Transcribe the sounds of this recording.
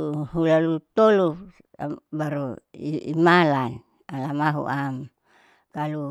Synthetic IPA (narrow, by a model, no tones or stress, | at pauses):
ɦulalut̪olu | a̰baɾuiimalan | alamaɦṵʔam | kalu